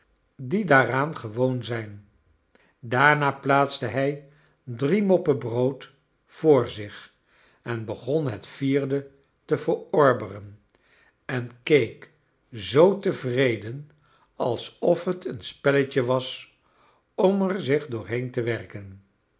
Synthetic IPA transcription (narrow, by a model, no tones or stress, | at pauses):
didaːraːnχəʋownzɛjn | daːɹnaːplaːtsdəɦɛj | drimɔpəbrowt | fʊːɹzɪχ | ɛnbəχɔnɦətfiːɹdə | təvəɹɔɹbərən | ɛnkejk | zowtəvrejdən | ɑlˠsɔfɦətənspɛləcəʋɑs | ɔmɛɹzɪχdʊːɹɦejntəʋɛrkən